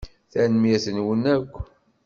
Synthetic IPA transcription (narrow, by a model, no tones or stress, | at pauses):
θænmjæθənwənækʷː